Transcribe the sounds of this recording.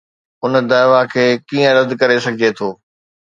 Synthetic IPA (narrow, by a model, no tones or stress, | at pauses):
ʊnd̪aːɪʋakʰeːkiːə̃ɾɐd̪kɐɾesɐɡʱɪd͡ʑet̪ʰoː